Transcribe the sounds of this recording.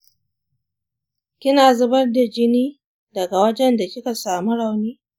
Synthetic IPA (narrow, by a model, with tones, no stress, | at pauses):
kʲɪ˦naː˨zʊ˦bɐ˦rda˨d͡ʒɪ˦niː˦ | dɐ˨ɡa˨wɐ˦d͡ʒɛ˦nda˨kʲɪ˦ka˨saː˨mu˦ɽa˨wniː˦